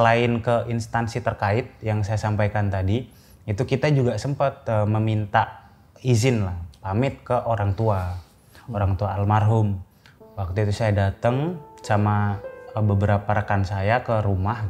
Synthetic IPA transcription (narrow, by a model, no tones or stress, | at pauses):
əlaɪnkəʔinst̪ansit̪ərkaɪt̪̚jaŋsajasampajkant̪adi | it̪ukit̪ad͡ʒuɡasəmpat̪̚əməmint̪aʔ | izɪnlahpamɪt̪̚kəʔoɾaŋt̪ua | oɾaŋt̪uaːlmarɦʊm | wak̚t̪uit̪usajadat̪əŋsamaəbəbəɾapaɾəkansajakəɾumah